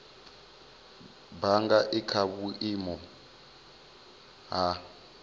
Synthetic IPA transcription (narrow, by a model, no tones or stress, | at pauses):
baŋɡaʔikʰaβuʔimɔ | ɦa